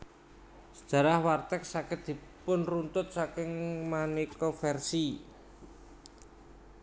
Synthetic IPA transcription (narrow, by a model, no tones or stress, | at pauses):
sə̥d̥ʒ̥ä̤ɾahwart̪ɛk̚sakɪt̪̚d̪̥i̤pʊnrunt̪ʊt̪̚sakɪŋmanikɔfɛrsi